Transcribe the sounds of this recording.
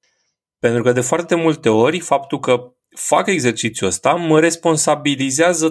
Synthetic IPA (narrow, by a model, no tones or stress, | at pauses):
pe̞nt̪ɾukəd̪e̞foart̪e̞mult̪e̞o̞rʲfap̚t̪ulkə | fa̰ke̞ɡze̞rt͡ʃit̪sʲjuəst̪aməɾe̞spo̞nsabilizeazə